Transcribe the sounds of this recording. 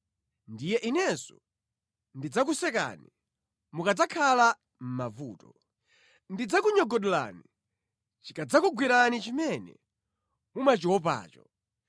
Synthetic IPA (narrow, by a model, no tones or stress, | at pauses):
ndijɛʔinɛsɔ | ndid͡zak̬usɛka̰ni | mukad͡zakʰala | m̩mavuːtɔ | ndid͡zakuɲɔɡɔɗɔla̰ni | t͡ʃikad͡zakuɡwiɾanit͡ʃimɛnɛ̰ | mumat͡ʃiwɔp̬a̰ːt͡ʃɔ